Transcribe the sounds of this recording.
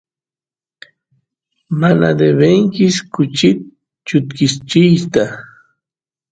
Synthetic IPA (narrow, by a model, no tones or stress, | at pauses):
mana̰d̪eβeŋkɪskʊt͡ʃɪt̪ | t͡ʃʊt̪kɪst͡ʃɪjst̪a